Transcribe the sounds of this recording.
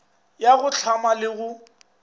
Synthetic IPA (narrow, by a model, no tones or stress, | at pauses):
jaɣʊt͡ɬʰamalɪɣʊ